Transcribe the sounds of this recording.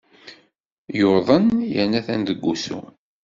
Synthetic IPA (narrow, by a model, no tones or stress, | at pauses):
joðˤənjæ̰næθænd̪əɡʷːusṵ